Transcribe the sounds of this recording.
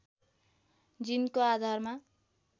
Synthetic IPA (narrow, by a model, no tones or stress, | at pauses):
d͡zinkoad̪ʱarma